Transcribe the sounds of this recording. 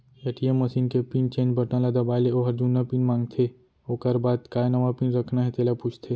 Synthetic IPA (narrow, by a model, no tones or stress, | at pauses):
jeʈieməsiːnkepint͡ʃẽːnd͡ʒbəʈãlad̪ɐbaːleoɦɐɾd͡ʒuːnːapinmãːŋɡt̪ʰe | okəɾbaːd̪kaːjnɐʋapinɾəkʰnaɦɛt̪eːlaput͡ʃʰt̪ʰe